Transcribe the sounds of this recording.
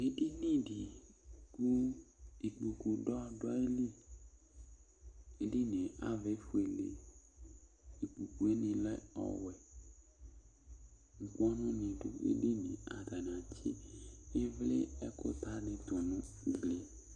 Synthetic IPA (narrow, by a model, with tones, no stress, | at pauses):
e˦di˦nĩ˦˨di˨ku˦i˨k͡pu˨ku˨dɔ˦˧˨dɔ˦e˦li˦˨ | e˦di˦˨nĩ˨a̰˦ve˨˦fu˨˦e˨lḛ˨ | i˨k͡pu˨ku˨e˦nĩ˧lɛ˦ɔ̰˨wɛ˨ | ŋ̩˨ku˦ɔ˦nũ˦nĩ˧dṵ˦ḛ˦di˦nĩ˨a̰˨da˨n˨ã˨t͡ʃḭ˦e˦vle˦ɛ˦ko̰˦t̪a˦nĩ˧t̪o˨nũ˨˦ | ɡ͡bli˨